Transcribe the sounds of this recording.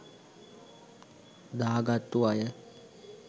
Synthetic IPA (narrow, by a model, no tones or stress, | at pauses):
d̪aːɡat̪ːuʋajə